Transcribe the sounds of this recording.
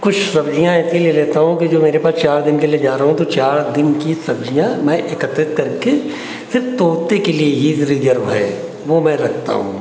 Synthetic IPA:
kʊt͡ʃʰsɐbd͡ʒijãɪsʰilieleːt̪aɦũkid͡ʒoːmeːɾepaːst͡ʃaːɾd̪ɪnkelied͡ʒaːɾɐɦũt̪ot͡ʃaːɾd̪ɪnkisɐbd͡ʒʱijãmɛ̃ʔɪkət̪ɾɪt̪̚kɐɾke | sɪɾft̪oːt̪ekelieɦizɾiːɡ̪əɾʋɛe | ʋomɛ̃ɾɐkʰt̪a̰ɦṵ̃ː

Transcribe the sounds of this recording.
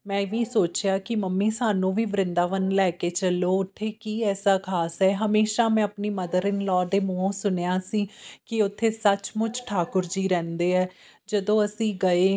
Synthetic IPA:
mɛ̃ːʋiːsoːt͡ʃɪjaːkɪməmːiːsaːnũːʋiːʋɾɪnd̪aːʋənlɛːkeːt͡ʃəloːʊt̪ʰːeːkiːɛːsaːkʰaːsɦɛːɦəmeːʃaːmɛ̃ːəpniːməd̪əɾɪnlɔːd̪eːmõːsʊnjaːsiːkɪʊt̪ʰːeːsət͡ʃmʊt͡ʃʈʰaːkʊɾd͡ʒiːɾɛ̃ːnd̪eːɛː | d͡ʒəd̪õːəsĩːɡəeː

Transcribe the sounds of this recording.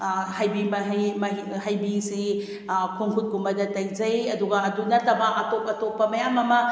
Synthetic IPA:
hajbimɐɦmɐiɦajbisi | kʰuŋkʰut̚ɡumbɐdɐtɐjd͡ʒɐjɐduɡɐːdunɐɾtʰɐbɐʔatopɐtopːɐmɐjamɐmɐ

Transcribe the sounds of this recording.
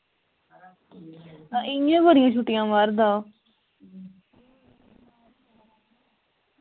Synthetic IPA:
ɪjãːbəɾɪjãːt͡ʃʰuʈːɪjãːmaɾd̪ãː

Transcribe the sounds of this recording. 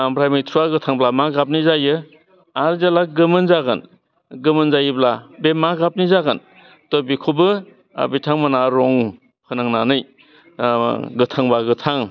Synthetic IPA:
ambɾajmɯjtʰuaɡɯtʰaŋblamaɡap̚nizajɯ | aɾzelaɡɯmɯnzaɡɯn | ɡɯmɯnzajiblabemaɡap̚nizaɡɯn | tɔbikʰubɯ | a̰bitʰaŋmanaɾɔŋ | hɯnaŋnanɯj | ɡɯtʰaŋbaɡɯtʰaŋ

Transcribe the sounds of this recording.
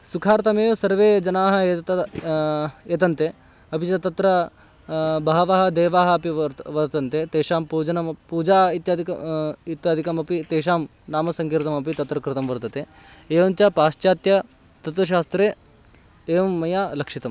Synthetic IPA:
sukʰaːɾt̪ɐmeːʋsɐɾʋeːd͡ʒɐnaːɦɐeːt̪ɐ | eːt̪ɐnt̪e | ɐpit͡ʃɐt̪ɐt̪ɾɐ | bɐɦɐʋaɦɐ̆d̪eːʋaːɦɐɐpiʋɐɾt̪ɐnt̪et̪eːʂaːmpuːd͡ʒɐnɐmpuːd͡ʒaːit̪jaːd̪ʱiɐit̪jaːd̪ʱikɐmɐpit̪eːʃaːm | naːmɐsɐŋkiːɾt̪ɐmɐpit̪ɐt̪ɾɐkɾɪt̪ɐmʋɐɾt̪ɐt̪eːeːʋɐɲt͡ʃaːpaːʃt͡ʃaːt̪jɐ | t̪ɐt̪ʋɐʃ̬aːst̪ɾeː | eːʋɐmːɐjaːlɐkʂit̪ɐm

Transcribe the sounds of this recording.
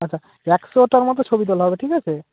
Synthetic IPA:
atːt͡ɕʰa | ɛksoʈaɾmɔt̪ot͡ɕʰobit̪̬ɔlaɦɔbeʈʰikat͡ɕʰe

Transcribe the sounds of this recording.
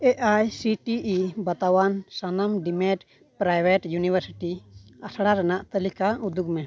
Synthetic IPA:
ɛʔajsiʈiʔibat̪awansanamɖimɛʈ | pɾajbɛʈjunibəɾsiʈiasʰɽaɾanaʔt̪əlikaud̪uk̚mɛ

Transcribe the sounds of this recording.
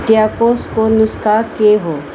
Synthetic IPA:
ʈijaːkoːskonʊskaːkeɦoː

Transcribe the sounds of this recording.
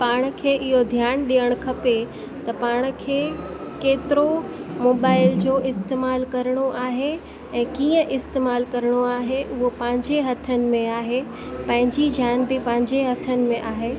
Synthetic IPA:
paːɽ̃̆kʰeːʔɪɦod̪ʱjaːñɗijəɽ̃kʰɐpe | t̪ɐpaːɽ̃̆kʰeː | keːt̪ɪɾomoːbaːɪld͡ʑoːʔɪst̪eːmaːlkɐɾəɽ̃oʔaːɦe | ɛ̃ːkiːə̃ʔɪst̪eːmaːlkɐɾəɽ̃oaːɦeʔʊɦopɐ̃ɦɪ̃ɲd͡ʑeɦɐt̪ʰənɪ̆mẽaːɦe | pɐ̃ɦɪ̃ɲd͡ʑid͡ʑʱjaːnbɪpɐ̃ɦɪ̃ɲd͡ʑeɦɐt̪ʰənɪ̆mẽʔaːɦeː

